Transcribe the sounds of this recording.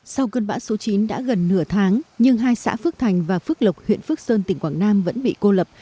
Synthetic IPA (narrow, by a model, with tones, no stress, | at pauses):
sa˧wkəː˧nɓa̰ː˧˥so˨˦t͡ɕi˨˦nɗa̰ː˧˥ɣə˨˩nːɨ˧˩ət̪ʰaː˨˦ŋɲɨ˧ŋɦaː˧jsa̰ː˧˥fɨ˦˥ək̚t̪ʰa˨˩jŋ̟vaː˨˩fɨ˦˥ək̚lə˨˩wk͡p̚hwḭ˧˨ənfɨ˦˥k̚səː˧nt̪i˨˩ŋ̟kwaː˧˩ŋnaː˧mvə̰˧˥nɓḭ˧˨ko˧lə˨˩p̚